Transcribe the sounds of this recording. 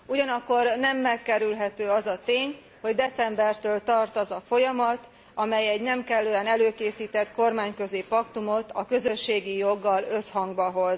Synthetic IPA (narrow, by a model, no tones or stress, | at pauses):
uɟɒnɒkːo̞rnɛmːɛkːɛɾylɦɛt̪øːɒzɒt̪eːɲ | ho̞ɟd̪ɛt̪sɛmbɛrt̪øːlt̪ɒrt̪ɒzɒfo̞jɒmɒt̪ | ɒmɛjɛɟnɛmkɛlːøːɛnɛløːkeːsiːt̪ɛt̪ko̞rmaːɲkø̞zeːpɒkt̪umo̞t̪ɒkø̞zøʃːeːɡijo̞ɡːɒlø̞shɒŋɡbɒɦo̞z